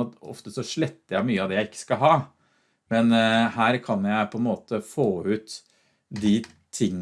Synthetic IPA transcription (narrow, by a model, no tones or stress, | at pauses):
ɑt̪ɔ̰ft̪əsɔʂɭɛt̪ːəɾjæɪmyːəɑʋd̪ɛːjæɪɪkːə̥skɑlɦɑː | mɛnhæːɾkʰɑnjæɪpʰɔɛnmoːt̪əfoːʉːt̪ | d̪i | t̪ʰɪŋː